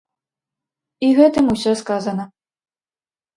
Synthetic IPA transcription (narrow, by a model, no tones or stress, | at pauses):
iɣɛt̪ɨmusʲɔskazɐnɐ